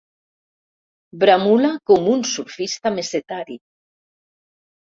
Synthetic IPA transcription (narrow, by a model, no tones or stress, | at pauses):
bɾamulakomunsulfist̪ameset̪aɾi